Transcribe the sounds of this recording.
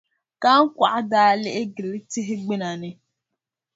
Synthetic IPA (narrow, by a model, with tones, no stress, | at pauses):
ka˦ŋ̩˦kʷa˨ʔa˦daː˦lɛ˦ʔɪ˦ɡɪ˨lɪ˦tɪ˦ɦɪ˦ɡ͡bɪ˦na˨nɪ˦